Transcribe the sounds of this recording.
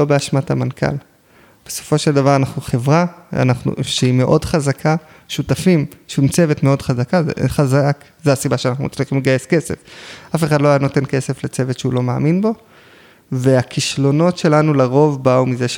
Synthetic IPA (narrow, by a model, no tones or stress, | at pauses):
lo̞beaʃmatamankʰa̰l | b̥eso̥fo̞ʃeld̪avaʁanaχnuχe̞vʁaa̰naχnṵʃeimeʔo̞dχazakʰa | ʃutafimʃeemt͡se̞vetmeo̞dχazakaz̰χazak | zeasibaʃeanaχnuma̰t͡sliχimleɡaje̞ske̞se̞fʔafe̞χadloajano̞te̞nke̞se̞flet͡se̞vetʃeulo̞ma̰ːminbo̞ | ve̞akʰiʃlo̞no̞tʃe̞lanulaʁo̞vbaumizeʃ